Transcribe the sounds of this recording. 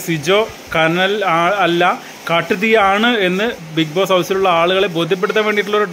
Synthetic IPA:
sid͡ʑo̞ː | kɐnɐlaːɐlːɐ | kɐʈːuðijaːɳɨe̞nːɨ | bik̚boːshɐwsiluɭːɐaːɭuɣɐɭe̞bo̞ːd̪ʱjɐp̬ːeɽut̪ːɐʋe̞ːɳɖiʈ̬ːuɭːɐoɾu

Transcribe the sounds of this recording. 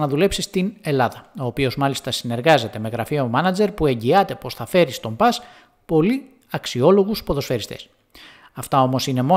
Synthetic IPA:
nɐðule̞psist̪ine̞lɐðɐo̞ːpio̞zmɐlist̪ɐsine̞ɾɣɐze̞t̪e̞me̞ɣɾɐfio̞mɐnɐd͡ze̞ɾpue̞ɲɟiɐt̪e̞po̞sθɐfe̞ɾist̪o̞mbɐs | po̞li | ɐksio̞lo̞ɣuspo̞ðo̞sfe̞ɾist̪e̞̥s | ɐft̪ɐo̞mo̞sine̞mo̞

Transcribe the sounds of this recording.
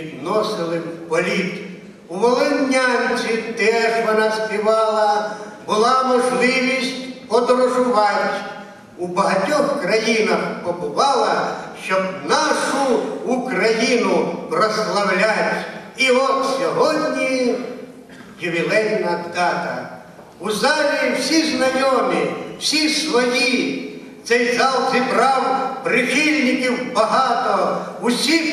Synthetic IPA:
id̪nɔsɪlˠɪpɔlʲit̪ | uʋɔlˠɔnʲːanʲt͡sʲit̪ɛʐʋɔnɑspʲɪʋɑlˠɐbʊlˠɑmɔʒlˠɪʋʲisʲtʲpɔd̪ɾɔʒʊʋɑjʲsʲ | ubɐɦɐtʲɔxkɾɐjinɐxkɔpʊʋɑlˠɐʃt͡ʃɔbnɑʃʊːkɾɐjinʊpɾɐslˠɐwlʲat͡sʲiɔt̪sʲɔɦɔd̪ʲnʲi | jɪʋʲɪlˠɛnːɐt̪kat̪ɐ | uzalʲiwsʲiznɐjʲɔmʲɪw̥sʲisʋɐji | t̪sɛjzalˠzʲibɾawpɾɪxʲilʲnʲikʲiwbɐɦat̪ɔusʲi

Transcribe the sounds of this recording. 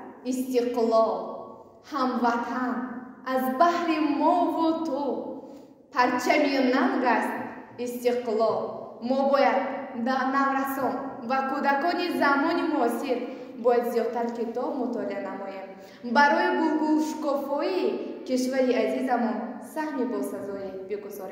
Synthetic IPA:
ist̪iqlɔl | hamvat̪ʰanʔazbahɾimɔvut̪ʰu | pʰaɾt͡ʃʰaminamɡast̪ist̪iqlɔlmɔbɔjad̪anavɾasɔnvakud̪akɔnizamɔnimuɔsiɾ | bɔjad̪zijɔd̪̚t̪aɾkit̪ɔbmut̪ʰɔlianamɔjem | baɾɔjibuɾɡuʃɡɔfɔjikiʃvaɾiazizamɔnsahmibɔsazɔibiɡuzɔɾe

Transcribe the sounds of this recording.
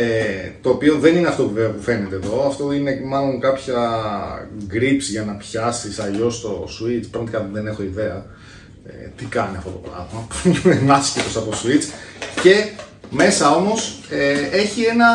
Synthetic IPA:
et̪o̞ːpio̞ðe̞nineɐft̪o̞pveopufe̞net̪eːðo̞ɐft̪o̞ine̞mɐlo̞ŋkɐpçɐ | ɡɾipsʝɐnɐpçɐsisɐʎo̞st̪o̞suit͡spɾɐɣmɐt̪ikɐðe̞ne̞xo̞iðe̞ɐ | ḛt̪ikɐniɐft̪ot̪o̞pɾɐ̰ðmɐpenɐscit̪osɐposuit͡sce̞me̞sɐo̞mo̞see̞çie̞nɐ

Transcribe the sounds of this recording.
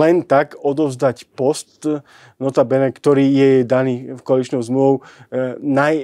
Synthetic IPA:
ɛnt̪akɔd̪ɔʊzd̪acpɔst̪ | nɔt̪abɛnɛkt̪ɔɾiːjɛɛd̪aniːfkɔalit͡ʃnɔʊzmluʋɔʊnaj

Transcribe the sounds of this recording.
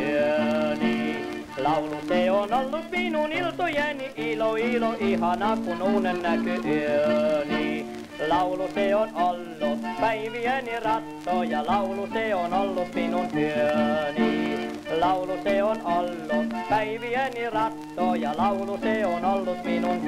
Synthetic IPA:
yøniː | lɑuluseonolːut̪minunilt̪ojeniʔiloiloʔihɑnɑkunuːnennækyʔyøniː | lɑuluseonolːupæiʋiænirɑt̪ːoːjɑlɑuluseonolːut̪minunyøniː | lɑuluseonolːupæiʋiænirɑt̪ːoːjɑlɑuluseonolːut̪minun

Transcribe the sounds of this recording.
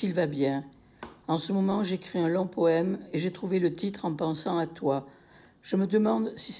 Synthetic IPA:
ilvabjɛ̃ | ɑ̃səmɔmɑ̃ʒeːkχiɛ̃lɔ̃pɔɛmeʒet̪χuvelət̪it̪χɑ̃pɑ̃sɑ̃at̪wa | ʒ̥əməd̪əmɑ̃d̪sis

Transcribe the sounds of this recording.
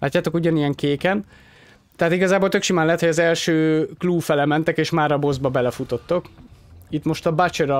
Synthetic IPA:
laːc̪ːaːt̪o̞kuɟɒnijɛŋkeːkɛn | t̪ɛɦat̪iɡɒzaːbolt̪ø̞kʃimaːnlɛt̪hojɒzɛlʃøːkluːfɛlɛmɛnt̪ɛkeːʃmaːɾɒbo̞zbɒbɛlɛfut̪o̞t̪ːo̞kit̪mo̞ʃt̪ɒbat͡ʃeɾɒ

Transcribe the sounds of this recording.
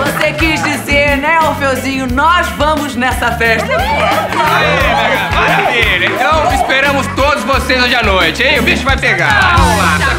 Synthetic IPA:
vosekizd͡ʒizeɾnɛũfewzĩɲʊnɔzvɐ̃mʊznɛsɐfɛʃt̪ɐaaavaveɾɐẽt̪ɐ̃w̃ispeɾɐ̃mʊst̪od̪ʊzvosejzojd͡ʒanojt͡ʃɪaiʊbiʃʊvajpeɡaɾɐ̃ola

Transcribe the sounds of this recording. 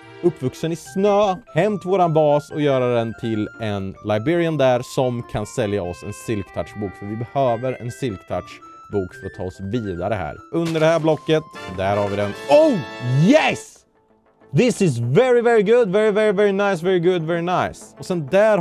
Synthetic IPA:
ɵpːvɵksənɪsnøːhɛmt̪voːɾanbɑːsɔjœːɾad̪ɛnt̪ʰɪlɛnlaɪbɪɾɪand̪æɾsɔmkʰansɛljaɔsɛ̰nsɪlkt̪ʰaʈʂbuːkfœɾvɪbɛhøːvəɾɛ̰nsɪlkt̪ʰa̰ʈʂ | buːkfœɾɔt̪ʰːɑ̰ːɔsviːd̪aɾəɦæ̰ːɾɵnd̪əɖɛhæːɾblɔkːət̪d̪æɾhaɾvɪd̪ɛnoʊjɛs | ðɪsɪzvɛɹɪvɛɹɪɡʊd̪vɛɹɪvɛɹɪvɛɹɪnaɪs̬vɛɹɪɡʊd̪vɛɹɪnaɪsɔsɛnd̪æːɾ

